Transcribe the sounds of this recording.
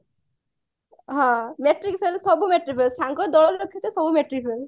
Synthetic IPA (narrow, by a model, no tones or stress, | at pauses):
ɦãmeʈɾikfelsɔbumeʈɾifelsãŋɡɔd̪ɔɭɔlɾɔkʰːjɔt̪esɔbumeʈɾikfel